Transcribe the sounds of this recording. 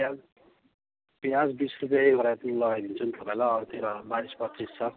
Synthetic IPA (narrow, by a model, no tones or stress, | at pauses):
a | pjad͡zbisrup̬jaɦiɡʱʌɾap̪ʌnilʌɡajd̪int͡sʰunt̪ʌpaĩlajʌɾt̪eɾabaɾispʌtrist͡sʰʌ